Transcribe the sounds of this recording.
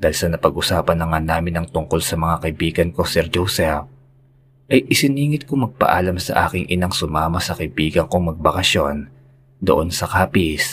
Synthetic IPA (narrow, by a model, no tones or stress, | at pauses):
d̪̥aːlsɐnɐpɐɡʔʊsaːpɐnːɐŋanaːmɪnɐŋt̪ʊŋko̞lsɐmɐŋakɐʔɪbiːɡɐnko̞sɛɾd͡ʒowsɛp̚ | ʔɐjʔɪsɪniːŋɪt̪̚kʊŋmɐɡ̚pɐ̰ʔaːlɐmsɐ̰ʔa̰ːkɪŋʔɪnɐŋsʊmaːmɐsɐkɐɪbiːɡɐŋkoŋmɐɡ̚bɐkɐʃjo̞n | d̪o̰ʔo̞nsɐkaːpɪs